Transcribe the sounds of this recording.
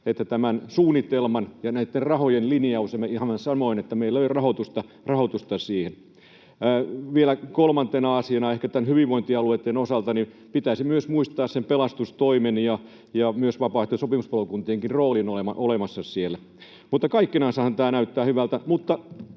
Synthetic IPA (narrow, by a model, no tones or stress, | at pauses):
et̪ːæt̪æmænsuːnːit̪elmɑnjɑnæit̪ːerrɑhojenliniɑusemeihɑmːɑsɑnoinet̪ːæmeilːæøirɑhot̪ust̪ɑ | rɑhot̪ust̪ɑsiːhenː | ʋielækolmɑnt̪enɑɑsiɑnɑehkæt̪ænhyʋiʋʋoint̪iɑluet̪ːenosɑlt̪ɑni | pit̪æːsimyøsmuist̪ɑːssempelɑst̪ust̪oimenjɑ | jɑmyøsʋɑpɑːht̪ːesopimuspɑlokunt̪iːŋkinroːlinolemɑʔolemɑsːɑsielːæ | mut̪ːɑkɑikːinɑnsɑhɑnt̪æːnæyt̪ːæːhyʋælt̪æmut̪ːɑ